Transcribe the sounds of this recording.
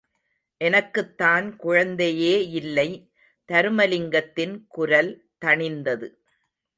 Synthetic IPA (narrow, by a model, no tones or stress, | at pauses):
ʔɛnɐkːɯt̪ːaːnkʊɻɐnd̪ɐjeːɪlːɐɪ | t̪ɐɾɯmɐlɪŋɡɐt̪ːɪnkʊɾɐl | t̪ɐɳɪnd̪ɐðɯ